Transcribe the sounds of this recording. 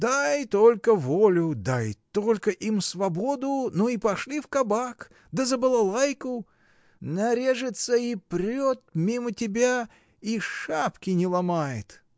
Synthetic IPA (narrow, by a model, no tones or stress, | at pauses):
d̪ajt̪olʲkəvolʲʊd̪ajt̪olʲkəʔimsvɐbod̪ʊnoipɐʂlʲifkɐbak | d̪əzəbɨlˠɐlˠajkʊ | nɐɾʲe̞ʐɨt̪səipɾʲot̪̚mʲimətʲɪbʲa | iʂapkʲɪnʲɪlˠɐmajɪ̰t̪